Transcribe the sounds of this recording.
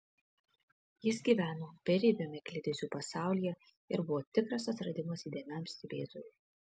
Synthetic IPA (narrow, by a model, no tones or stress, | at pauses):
jɪsɡʲiːˑʋʲæːnoːpʲɛɾʲiːbʲomʲɛkʲlʲɪd̪ʲezʲuːpɐsɑˑʊlʲijɛ | ɪɾbʊʋoːt̪ʲɪkɾɐsɐt̪ɾɐd̪ʲɪmosid̪ʲeːmʲɛmst̪ʲɪbʲeːzojʲʊ